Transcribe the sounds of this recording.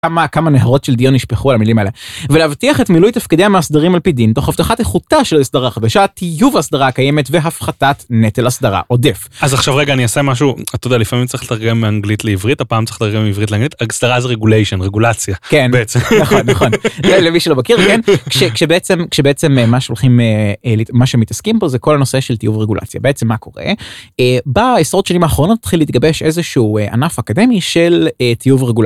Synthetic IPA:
kamakamaneɦaʁo̞tʃeld̪ijonːiʃpeχualamilimaelevelehavtiaχe̞tmilujtafkidehameasd̪aʁimalpid̪int̪o̞χaft̪aχateχutaʃeloisdaʁaχad̪aʃatijuvasd̪aʁakajeme̞tveɦafχatatnetelasd̪aʁa̰ʔo̞defazaχʃavʁeɡaːniasemaʃ̬uat̪odalifamimt͡saʁiχletaʁɡemːeaŋɡlit̪leivʁitapaːmt͡sḁʁilet̪aʁɡemeivʁitleaŋɡlitasd̥aʁazeʁeɡulejʃonʁeɡulat͡sjakenbeet͡senaχonːaχo̞nzelemiʃelo̞bakiʁkenkʃekʃebeet͡semkʃebeet͡sememaʃeolχimeelitmaʃemit̪askimbozeko̞lano̞se̞ʃeltijuvʁeɡulʔa̰t͡sja̰beet͡se̞mːako̞ʁḛebaesʁot̪ʃanimaːχʁo̞not̪ːat̪χiliːt̪̚ɡabe̞ʃe̞zeʃuuːea̰nafakade̞miʃelet̪ijuvʁeɡula

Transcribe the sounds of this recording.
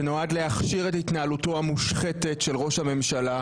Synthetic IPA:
enoadleaχʃiʁetit̪naːluto̞amuʃχet̪e̞tʃe̞lʁo̞ʃhame̞mʃala

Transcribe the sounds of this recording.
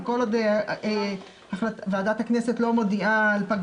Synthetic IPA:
kolod̪e | aχlatavaːdat̪hakneset̪lo̞mo̞d̪iaːlpaɡ

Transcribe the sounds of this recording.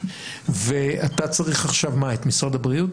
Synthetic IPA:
veat̪at͡saʁiχaχʃavmaet̪misʁad̪abʁijut

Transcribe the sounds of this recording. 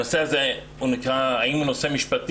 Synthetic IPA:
oseaze | unikʁaaimunosemiʃpat̪

